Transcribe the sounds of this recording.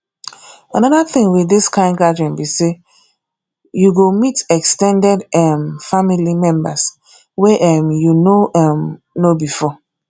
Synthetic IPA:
ãnɔðaθɪ̃ŋwiðiskʰãɪ̃nɡad͡ʒɛ̃nbise | juɡomitɛkstɛ̃ndɛdɛmfamilimɛ̃mba̰s | wɛʔɛmjunoam | nobifɔ

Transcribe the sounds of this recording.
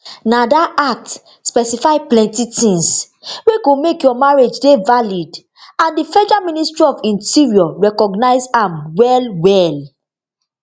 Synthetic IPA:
nadaak̚t | spɛsifaɪplɛ̃ntitĩns | weɡomekjɔmaɹed͡ʒdevalid | ãndifɛd͡ʒamĩnistɹiɔvĩntiɹiɔɹɛkɔɡnaɪsãmwɛlwɛl

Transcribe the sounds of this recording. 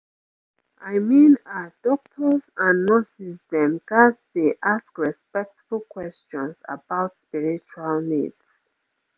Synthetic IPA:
ʔaɪmĩnad̥ɔk̚tʰəzãnːɔsisdɛ̃mkasdeʔaskɹɛspɛk̚tbulkʰwɛst͡ʃɔ̃nsa̰baʊtspiɹit͡ʃualnḭds

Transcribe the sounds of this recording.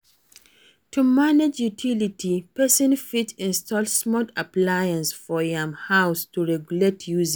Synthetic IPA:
tʰumaned͡ʒjutʰilitʰipɛsɔ̃nfitĩnstʰɔlssmɔtʰaplajãnsfɔjãmhaʊstuɹɛɡjuletʰjuzĩ

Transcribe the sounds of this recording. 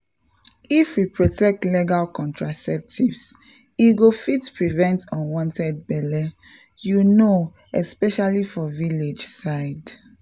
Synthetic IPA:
ifwipɹotɛk̚tleɡalkɔ̃ntʰɹasɛp̚tʰivs | iɡofitpɹivɛ̃ntɔ̃nwɔ̃ntɛd̚bɛlɛ | juno | ɛspɛʃalifɔviled͡ʒsaɪd

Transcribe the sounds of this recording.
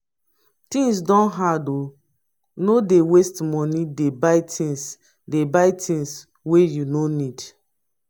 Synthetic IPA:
tĩŋs̬dɔ̃nɦado | nodewestmɔnidebaɪtʰĩns | debaɪtʰĩns | wejunonid

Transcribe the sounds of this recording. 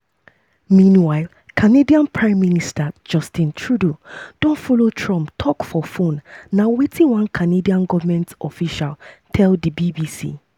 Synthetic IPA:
mĩnwaɪlˠ | kʰanediãnpʰɹãɪ̃mːinistad͡ʒɔstĩntʰɹudod̥ɔ̃nfɔlotʰɹɔ̃mptʰɔkfɔfõnːawetʰĩnwãnkʰanediãnɡɔvamɛ̃ntɔfiʃaltʰɛldibibisḭ

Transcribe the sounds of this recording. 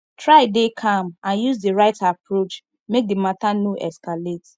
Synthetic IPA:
tʰɹaɪdekʰãmãnjuzdiɹaɪtapʰɹot͡ʃ | mek̚dimatanoʔɛskalet

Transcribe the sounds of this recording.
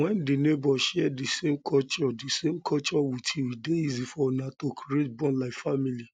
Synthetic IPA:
wɛ̃ndinebɔʃɛdisemkʰɔt͡ʃɔdisemkʰɔt͡ʃɔwitʰiwideizifɔnãtokʰɾiet̚bɔ̃nlaɪfamili

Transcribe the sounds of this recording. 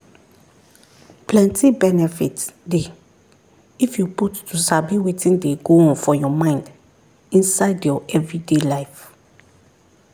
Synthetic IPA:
pʰlɛ̃ntʰibɛnɛfitde | ifjuputːusabiwetʰĩndeɡoɔ̃nfɔjɔmãɪ̃nd | ĩnsaɪdjɔʔɛvɹidelajf

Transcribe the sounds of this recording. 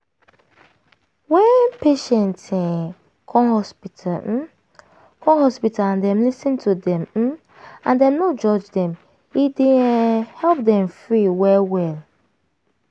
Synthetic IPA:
wɛ̃npʰeʃɛ̃ntɛ̃ | kʰɔ̃nhɔspitʰal̩ | kʰɔ̃hɔspitaãndɛ̃mlisĩntʰudɛ̃m̩ | ãndɛ̃mnod͡ʒɔd͡ʒdɛ̃m | idĩhɛlp̚dɛ̃mfɹiwɛwɛl

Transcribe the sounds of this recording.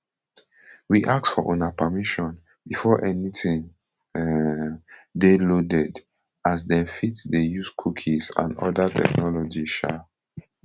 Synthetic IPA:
wiʔak̚tfɔʔonapəmiʃɔ̃n | bifɔʔɛnitĩŋ | delodɛd | as̬dɛ̃fitdejuskʰukʰisã̰nɔ̰datʰɛ̰knɔlɔd͡ʒiʃa

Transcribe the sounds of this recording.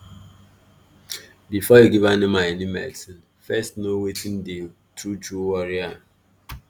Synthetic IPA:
bifɔjuɡivanĩmaɛnimɛ̰ltĩn | fɛstnowetʰĩnde | tʰɹud͡ʒuwɔɹia

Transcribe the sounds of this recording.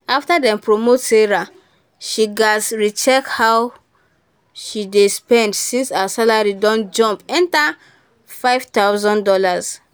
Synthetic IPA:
aftadɛ̃mpɹomotseɹa | ʃiɡasɹit͡ʃɛkhaw | ʃidespɛ̃ndsĩnsasalaɹidɔ̃nd͡ʒɔ̃mpɛ̃nta | faɪvtaʊzɔ̃ndɔlaz

